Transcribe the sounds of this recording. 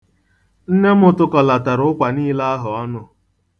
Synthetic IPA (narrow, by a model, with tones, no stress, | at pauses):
n̩˦ne˦m̩˦ʊ˦tʊ˦kɔ˨la˨ta˨ɾʊ˨˦ʊ˦kʷa˨niː˦la˦a˦ɦʊ˨ɔ˦nʊ˦